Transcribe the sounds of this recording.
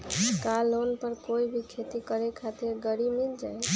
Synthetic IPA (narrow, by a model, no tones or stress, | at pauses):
kalonpəɾkoibʱikʰet̪ikəɾekʰat̪iɾɡəɽimild͡ʒaj